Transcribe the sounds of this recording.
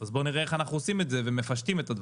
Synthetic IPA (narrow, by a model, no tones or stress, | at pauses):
azbo̞niʁeeχanaχnuosime̞tzeve̞mefaʃt̪ime̞t̪ad̪v